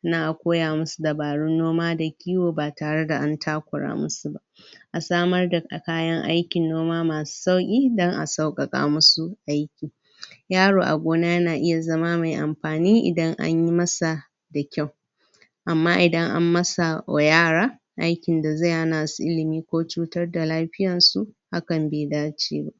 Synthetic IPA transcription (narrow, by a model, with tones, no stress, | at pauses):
naː˦ʔa˨kʷoː˦jaː˨mʊ˦su˨da˨baː˨ɽʊ˦nːoː˦maː˦da˨kʲʰiː˦woː˨baː˨taː˨ɽe˦da˨ʔa˦ntʰaː˦kʷʊ˨ɽa̰ː˦mʊ˦su˦ba˦ʔʔa˨saː˦mɐ˦rda˨ka˨kaː˦jɐ˦ŋʔa̰˦jkʲɪ˨nːoː˦maː˦maː˨su̥˦sa˦wkʲʼiː˦dɔ˦ŋʔa̰˨sa˦wkʼɐ˨kʼa̰ː˦mʊ˦su˦ʔa˦jkʲiː˨ | jaː˦ɽoː˨ʔa̰˨ɡʷoː˦naː˦jɐ˦naː˨ʔɪ˦ja˨zɐ˦maː˦ma˨jʔa˨mɸaː˨niː˦ʔɪ̰˨dɐ˦ŋʔa̰˦ɲji˦mɐ˦sa˨ | da˨kʲa˦˨w | ʔa˨mːaː˦ʔɪ˨dɐ˦ŋʔa̰˦mːɐ˦sa˨a˨jaː˦ɽaː˦ | ʔa˦jkʲɪ˨nda˨za˦˨jha˦naː˨su˦ʔɪ˦lɪ˨miː˦kʷoː˦t͡ʃuː˦tɐ˦rda˨laː˦ɸɪ˦jɐ˨nsu˦ʔha˦kɐ˨mbeː˨daː˦t͡ʃḛː˦ba̰˦˨ʔ